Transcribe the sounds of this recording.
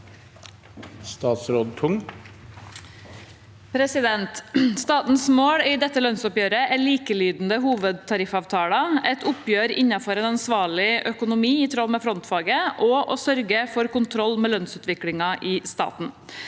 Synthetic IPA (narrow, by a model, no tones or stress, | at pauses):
st̪ɑːt̪sɾoːd̪̚t̪ʰʊŋ | pʰɾɛsɪd̪ɛnt̪st̪ɑːt̪n̩smoːɽɪd̪ɛt̪ːəlœnsʊpjøːɾəʔæliːkəliːd̪n̩d̪əɦuːʋəd̪̚t̪ʰɑɾɪfɑːʋt̪ʰɑːɽɑɛt̪ʰʊpjøːɾɪnːɑfɔɾeːnɑnsʋɑːɭɪʔœkʊnʊmiːɪt̪ʰɾoːmɛfɾɔnt̪fɑːɡəʔɔʔɔsœɾɡəfɔɾkʊnt̪ʰɾɔlːmɛːlœnsʉːt̪ʋɪkɽɪŋɑʔɪst̪ɑ̰ːt̪n̩